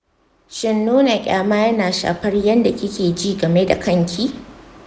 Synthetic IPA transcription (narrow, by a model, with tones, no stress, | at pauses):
ʃɪ˦nːoː˦na˨kʲʼa̰ː˨˦maː˦jɐ˦naː˨ʃa̰ː˨ɸɐ˦rjɐ˦nda˨kʲɪ˦kʲʰeː˨d͡ʒiː˦˨ɡɐ˨me˦da̰˨kɐ˦ŋkʲʰiː˦